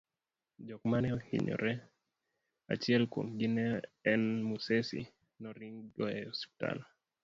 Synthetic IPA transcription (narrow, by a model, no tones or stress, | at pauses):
d͡ʒɔkmanɛɔhḭɲɔ̰ɾɛ | a̰t͡ʃiɛlko̰ŋɡinɛːnmusɛsḭ | nɔɾiŋɡɔɛɔspi̥ta̰l